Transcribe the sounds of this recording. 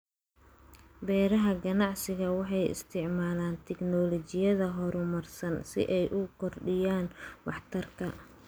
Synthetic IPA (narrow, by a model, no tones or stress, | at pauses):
bɛːɾɐɦɐɡɐnɑʕsɪɣɐwɑħɑjɪ̰st̪ʰɪʕmaːlaːnt̪ʰɛɡnɔlɔt͡ʃɪjɐðɐɦɔɾʊmɐrsɐnsɪ̰ʔɛjʔʊkʰɔrɖɪjaːnwɑħt̪ʰɐrkʰɐ